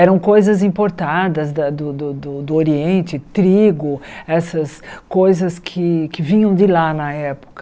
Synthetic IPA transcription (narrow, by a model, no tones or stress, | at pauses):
ɛɾɐ̃w̃kojzɐzĩpoɾt̪ad̪ɐzd̪ɐd̪ʊd̪ʊd̪ʊd̪ʊoɾiẽnt͡ʃɪt̪ɾiɡʊɛsɐskojzɐskʰɪkɪvĩɲɐ̃w̃d͡ʒɪlanɐɛpo̥kɐ